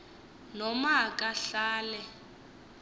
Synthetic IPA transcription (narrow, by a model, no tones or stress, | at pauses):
nɔmakʼaɬaːlɛ